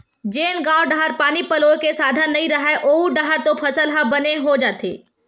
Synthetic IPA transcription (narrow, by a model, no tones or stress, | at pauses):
d͡ʒeːnɡãːwɖaɦəɾpaːnipɐloːkesaːd̪ʱənːɐɦĩɾɐɦaʔoːuɖaɦəɾt̪opʰɐsəlɦabɐneɦod͡ʒaːt̪ḛː